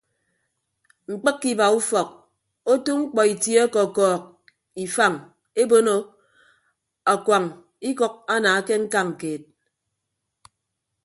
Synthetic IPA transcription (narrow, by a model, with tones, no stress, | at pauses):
ŋ͡m̩˨k͡pɨ˦kːi˦ba˨u˦fɔ˨k̚ | o˦tu˦ŋŋ͡m̩˦k͡pɔ˨i˨tje˦ɔ˦kɔ˨kɔː˨k̚ | i˨fa˦˨ŋ | e˦bo˦no˦ | a˨kwa˨ŋ | i˦kɔ˦k̚a˦naː˨˦ke˦ŋ̩˦ka˦ŋ̩˨keː˨t̚